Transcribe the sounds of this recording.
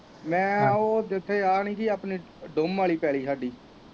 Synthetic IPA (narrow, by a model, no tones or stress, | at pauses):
mɛ̃ːoːd̪ɪt̪ʰːeːaːniːkiaːpniː | ɖʊmʋaːliːpɛːliːsaːɖiː